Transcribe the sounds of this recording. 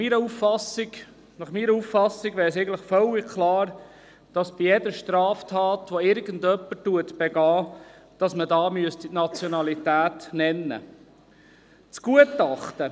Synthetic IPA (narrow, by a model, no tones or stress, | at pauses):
miːɾəufɑsɪɡ | nɑχmiːɾəufɑsːiɡvæːɾsɛɪɡən̩tləχfœlːɪkʰlɑːɾ | d̥ɑsb̥ijɛd̪əʃtɾɑːftʰɑːt̪ʋɔɪɾɡəndœpːətuətb̥eɡɑː | d̥ɑsmədɑːmyəstitnɑt͡sjonɑlitæːtnɛnːə̰ | t͡sɡ̥uətɑχt̪ə